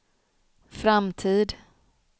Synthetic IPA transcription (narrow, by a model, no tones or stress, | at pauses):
fɾamt̪ʰiːd̪